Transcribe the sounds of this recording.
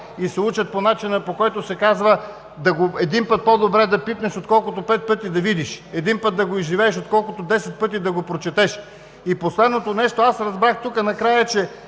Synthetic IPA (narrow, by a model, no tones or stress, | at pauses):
isɛut͡ʃɐt̪̚ponat͡ʃinəpokɔjt̪osɛkazvə | d̪ɐɡoɛd̪inpɤt̪̚pod̪obɾɛd̪ɐpit̪nɛʃot̪kɔlˠkʊt̪opɛt̪̚pɤt̪id̪ɐvid̪iʃɛd̪inpɤt̪̚d̪ɐɡoizʒivɛːʃot̪kɔlˠkʊt̪od̪ɛsɛt̪̚pɤt̪̬id̪ɐɡopɾot͡ʃɛt̪ɛʃ | iposlɛd̪not̪onɛʃt̪oasɾɐzbɾaxt̪ukənɐkɾajət͡ʃɛ